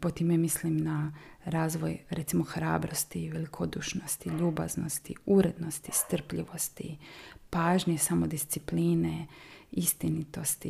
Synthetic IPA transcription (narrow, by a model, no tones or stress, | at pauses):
pot̪imemislimnaɾaːzʋojɾɛt̪simoxɾa̰ːbɾo̞st̪iʋelikʰod̪uʃnost̪iʎuːba̰znost̪iuɾe̞d̪no̞st̪ist̪r̩pʎiʋo̞st̪ḭpaːʒɲesamod̪ist̪sipliːneist̪init̪o̞st̪i